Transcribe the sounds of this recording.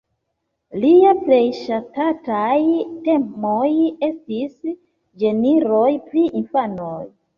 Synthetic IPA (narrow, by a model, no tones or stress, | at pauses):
liaple̞jʃatatajte̞moje̞stis | d͡ʒe̞niɾo̞jpɾiʔinfanoj